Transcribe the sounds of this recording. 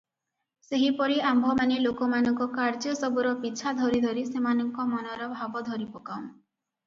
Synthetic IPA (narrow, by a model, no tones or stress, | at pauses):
seɦipɔɾiambʱɔmanelokɔmanɔŋkɔkaɾd͡ʒɔsɔbuɾɔpit͡ʃʰad̪ʱɔɾid̪ʱɔɾisemanɔŋkɔmɔnɔɾɔbʱabɔd̪ʱɔɾipokawn